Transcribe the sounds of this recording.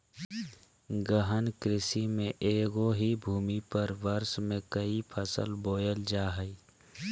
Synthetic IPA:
ɡəɦənkɾɪsimẽʔeːɡoɦibʱuːmipəɾʋəɾsmẽkəipʰəsə̰lboːjəld͡ʒaːɦəi

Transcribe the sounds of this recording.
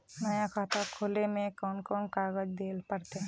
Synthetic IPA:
nɐjakʰaːt̪akʰoːlemẽkɔːnkɔːnkaːɡəd͡ʒd̪eːlpəɾt̪e

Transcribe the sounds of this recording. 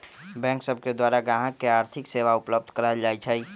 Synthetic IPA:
bɛ̃ːŋksəb̚ked̪waːɾaɡaɦãkeaːɾt̪ʰɪkseːʋaʊpləb̚d̪ʱkəɾaɦd͡ʒaːit͡ʃʰəi

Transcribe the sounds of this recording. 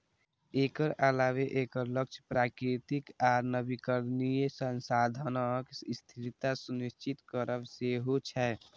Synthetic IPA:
eːkəɾəlaːweʔeːkəɾləkt͡ʃʰpɾaːkɾit̪ikaɾnəbikəɾnijesənsad̪ʱənokst̪ʰiɾit̪asunist͡ʃit̪kəɾəbseɦot͡ʃʰɛ

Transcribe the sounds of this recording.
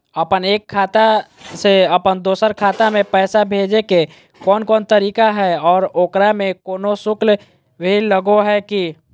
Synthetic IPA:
əpəneːkʰːaːt̪a | seəpənd̪oːsəɾkʰaːt̪amẽpɛːsabʱeːd͡ʒeke | kɔːnkɔːnt̪əɾiːkaɦɛɔːɾoːkɾamẽkoːnosʊkl | weɦiləɡoɦɛki

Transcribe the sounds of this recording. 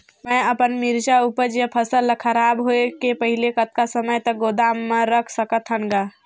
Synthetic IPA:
mɛ̃əpənmiɾd͡ʒaupəɾd͡ʒepʰəsəlkʰəɾaːbɦoekepəɦɪlekət̪̚kasəməjt̪əɡoːd̪aːmːə̃ɾəkʰsəkət̪ʰɦəŋɡaː

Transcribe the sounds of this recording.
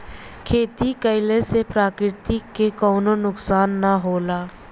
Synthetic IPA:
kʰeːt̪ikəɪlesepɾaːkɾɪt̪ikekɔːnonʊksaːnːaɦoːlaː

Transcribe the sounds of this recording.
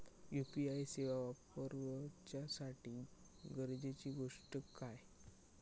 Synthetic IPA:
jupiajseʋaʋapəɾʋət͡ɕjasaʈiː | ɡəɾd͡ʑet͡ɕiːɡoʂʈəkaj

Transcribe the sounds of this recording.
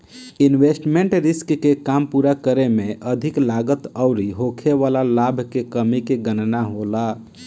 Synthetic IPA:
inwesʈmeɳʈɾiskːekampuɾakəɾemeʔəd̪ʱiklaɡət̪əʊɾiɦokʰeʋalalabʱkekəmikeɡənnaɦola

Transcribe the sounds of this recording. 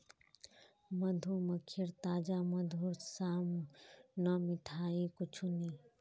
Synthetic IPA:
məd̪ʱuməkʰiɾt̪aːd͡ʒamɐd̪ʱuɾsaːmnəmɪt̪ʰaːikʊt͡ʃʰuni

